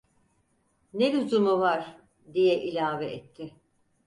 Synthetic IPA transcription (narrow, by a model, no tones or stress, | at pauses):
nelyzumuvaɾ̥ | d̪ijɛʔilʲaːvɛʔɛt̪ʰːɪ